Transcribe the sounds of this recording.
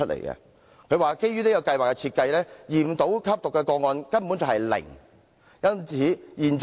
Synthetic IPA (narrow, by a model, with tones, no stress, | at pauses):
ɵ˥lḛ˨˩jkɛ̰˧ | kʰɵ˨˧ɥwaː˨ke˥jyː˥ni˥kɐ˧kɐ˧jwaː˨kːɛ˧t͡sʰiː˧t̚kɐ˧jlɛː˥jiː˨m̩˨t̪o˨˥wkʰɐ˥p̚t̪ʊ˨kːɛː˧kɔː˧ŋɔː˧nkɐ˥npu˨˥nt͡sɐ˨hɐ˨jlɪ̰˨˩ŋ | jɐ˥nt͡sʰiː˨˥jiː˨˩nt͡s